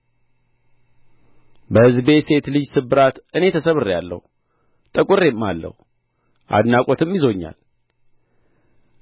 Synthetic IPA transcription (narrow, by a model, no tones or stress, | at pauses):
bəhɨzbe̞se̞t̪lɨd͡ʒsɨbɨɾat̪ʔɨne̞t̪ʰəsəβɨrjalːə̰hu | t̪ʼəkʼʊɾe̞mːalːə̰hu | ʔa̰d̪nakʼot̪ʰɨmjizo̞ɲːa̰l